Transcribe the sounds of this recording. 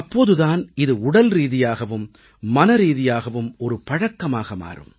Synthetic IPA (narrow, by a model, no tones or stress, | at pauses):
ɐpːoːðɯðaːnɪðɯʊɽɐlɾiːðɪjaːɣɐʋɯmː | ɐnɐɾiːðɪjaːɣɐʋɯmɔɾɯpɐɻɐkːɐmaːɣɐma̰ːrɯ̰m